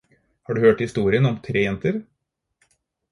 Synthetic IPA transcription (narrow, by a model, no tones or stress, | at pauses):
hɑːɖʉːhøːʈhɪst̪uːɾɪənɔmt̪ʰɾeːjɛnt̪əɾ